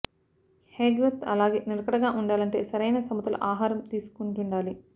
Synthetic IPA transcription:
heːɡɾɐt̪ɐ̰laːɡe̞̰ːniɾɐkɐɽɐɡaːʔuɳɖaːlɐɳʈe̞ːsɐɾɐjnɐsɐmud̪ɐlɐ̰ʔaːɦaːɾɐmt̪iːsu̥kunʈuɳɖaːli

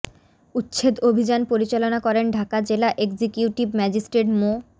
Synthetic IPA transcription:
utːɕʰed̪obʱid͡ʑanpoɾit͡ɕalonakɔɾenɖʱakad͡ʑelaʔeɡd͡ʑikjuʈibmɛd͡ʑisʈɾeʈmo

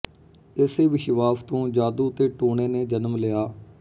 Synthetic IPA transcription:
ɪseːʋɪʃʋaːpʰt̪õːd͡ʒaːd̪uːt̪eːʈoːɳeːneːd͡ʒənəmlɪjaː

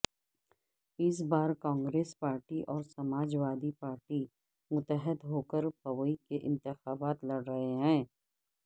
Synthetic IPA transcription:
ɪs̬baːɾkãːŋɡɾeːspaːɾʈiʔɔːɾsɐmaːd͡ʒʋaːd̪ipaːɾʈi | mʊt̪əɦɪd̪ɦoːkəɾpɐʋəikeʔɪ̃nt̪ɪxaːbaːt̪lɐɽɾɐɦeɦɛ̃ː

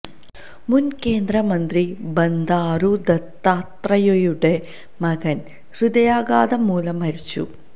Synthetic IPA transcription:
munkeːnd̪ɾɐmɐnt̪ɾibɐnd̪aːɾud̪ɐt̪ːaːt̪ɾɐjojuɽe | mɐɡɐn | ɾud̪ɐjaːɡaːd̪ɐmuːlɐmɦɐɾit͡ɕːṵ

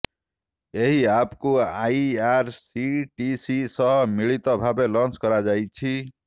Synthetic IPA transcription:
eɦiapkuajaɾsiʈisisɔɦɔmiɭit̪ɔbʱabelɔnt͡ʃkɔɾad͡ʒajt͡ʃʰi

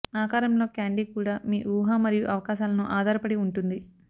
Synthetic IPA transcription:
aːkaːɾɐmlo̞ːkaːɳɖiːkuːɽaːmiːʔuːɦaːmɐɾijuʔɐʋɐkaːʃaːlɐnuʔaːd̪ʱaːɾɐpɐɽiuɳʈund̪i

